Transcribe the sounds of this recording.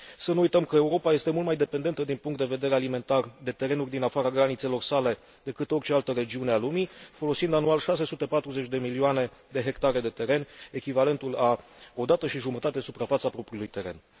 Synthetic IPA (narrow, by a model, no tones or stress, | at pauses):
sənuujt̪əmkəe̞uɾo̞paje̞st̪e̞mult̪majd̪e̞pend̪e̞nt̪əd̪inpuŋkt̪d̪e̞ve̞d̪e̞ɾealime̞nt̪ard̪e̞t̪e̞ɾe̞nurʲd̪inafaɾaɡɾanit̪se̞lo̞rsale̞ | d̪e̞kɨt̪o̞rt͡ʃealt̪əɾe̞d͡ʒiunealumifo̞lo̞sind̪anualʃase̞sut̪e̞pat̪ɾuze̞t͡ʃʲd̪e̞milioane̞d̪e̞ɦe̞kt̪aɾe̞d̪e̞t̪e̞ɾe̞nʲe̞kʲivale̞nt̪ulao̞d̪at̪əʃiʒumət̪at̪esupɾafat̪sapɾo̞pɾiulujt̪e̞ɾe̞̰n